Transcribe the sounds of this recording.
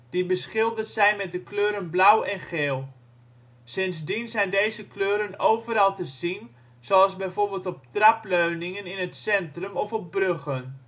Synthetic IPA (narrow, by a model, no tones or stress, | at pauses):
d̥ibəsχɪlˠdətsɛjnmɛt̚dəkløːɾənblawɛnχeːlˠ | sɪnsdinzɛjndejzəkløːɾənowvəɾɑlˠtəzin | z̥oɑlˠszbɛjvoːrbeːlˠtɔp̚trapløɥnɪŋənɪnətsɛntrəmɔfɔp̚brøχən